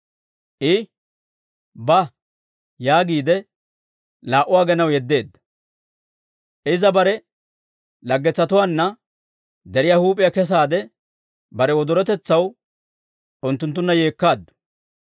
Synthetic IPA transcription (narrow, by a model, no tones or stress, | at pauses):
ʔɪ | bɐ | jaːɡiːd̪ɛ | laːʔʊwaːɡɛnɐwjɛd̪ːe̞ːd̪ːɐ̥ | ʔɪzɐbɐɾɛ | lɐɡːɛt͡sːɐt̪ʊwaːnːɐ | d̪ɛɾɪjahuːpʼːɪjɐkɛs̬aːd̪ɛ | bɐɾɛwɔd̪ɔɾɛt̪ɛt͡sːɐw | ʔʊnt̪ːʊnt̪ːʊnːɐjeːkːaːd̪ːʊ̥